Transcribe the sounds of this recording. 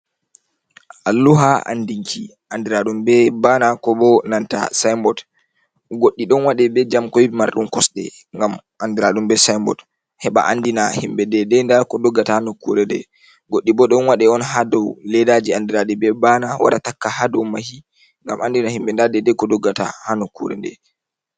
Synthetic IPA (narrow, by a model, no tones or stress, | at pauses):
ʔalːuɦaa̰ndiŋkʰi | ʔandiɾaɗumbɛbanakɔbɔnanta̰sajmbɔt | ɡoɗːiɗɔnwaɗɛbɛd͡ʒamkɔwimaɾɗumkɔsɗɛ̰ | ŋɡamʔandiɾaɗumbɛsajmbɔ̰t | hɛɓa̰ʔandinahimbɛdɛdɛndaɾkɔdɔɡːatahanɔkuɾɛdɛ | ɡoɗːibɔɗɔnwaɗɛɔnɦadɔwlɛdad͡ʒiandiɾaɗɛbɛbanawa̰ɾa̰takːahadɔwmahi | ŋɡamandinahimbɛndadɛdɛkɔdɔɡːata̰hanɔkṵɾɛ̰ndɛ̰